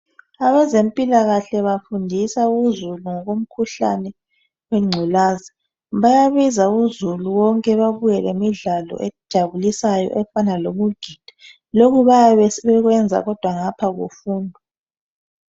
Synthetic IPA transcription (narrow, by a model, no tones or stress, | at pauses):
aβɛzempʼilaɣaɬɛβafundʱisauzuluŋɔɣom̩kʰuɬa̰nɛ | weŋ͡ǀʱɛlaːzi | βajaβizauzuluwɔŋkʼɛβaβujɛlemiɮalɔ̰ʔɛdʒ̥ʱaβulisajɔ̰ʔɛfanaloβuɡ̥ʱid̥ʱḁ | loɣuβajaβɛsɛβɛɣwɛnd͡zʱa̰ɣɔd̥ʱwaŋapʰaɣo̰fuːndʱɔ